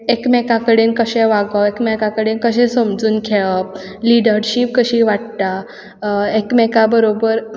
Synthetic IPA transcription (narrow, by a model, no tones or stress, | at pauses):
ekmɛkakəɽenkəɕẽʋaɡəekmɛkakəɽenkəɕẽsəmd͡zuːnkʰeɭəliɽəɾɕip̚kəɕiːʋaʈt̪a | ekmɛkabəɾobəɾ